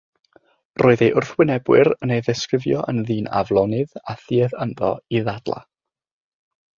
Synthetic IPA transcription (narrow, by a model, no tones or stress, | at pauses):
roːɨðeʔʊrθwɪnɛbwɨɾənejðɛskrɪvjɔʔənðiːna̰vlˠɔnɨðaθiːɛðənðɔ̰iðad̥lˠa̰